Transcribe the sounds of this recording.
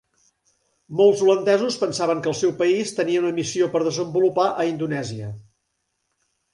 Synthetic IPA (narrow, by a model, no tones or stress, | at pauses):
molˠzulənd̪ɛzuspənsaβəŋkəlˠsɛwpəist̪əniəunəmisiopəɾðəzəmbulupaʔəind̪unɛziə